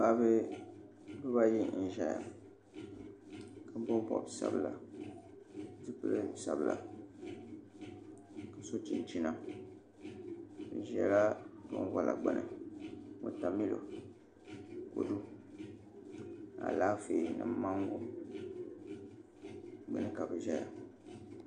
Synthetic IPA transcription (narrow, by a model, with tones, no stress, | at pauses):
pa˦bɨ˦ | bɨ˦ba˦ji˦n̩˨ʒa˨˦ja̰˨ | ka˨bo˦m˦bɔ̰˨bsa̰˦bɨ˨la˨ | tɨ˦pɨ˦lɨ˦˨sa˨bɨ˨la̰˨ | ka˨so˦t͡ʃi˨n˨t͡ʃi˦na˦ | n̩˨˦ʒɛ˦la˦bo˦ŋ˦wa˦lʔa˨ɡ͡bɨ̰˨nʔɨ̰˨mo˦ta˨mi˦lo̰˨ | ko˨du˦ | a̰˨laː˦fe˨nɨ˨m˦ma˦ŋɡo˦ | ɡ͡bɨ˨nɨ˦ka˨bɨ˨ʒa˦ja˨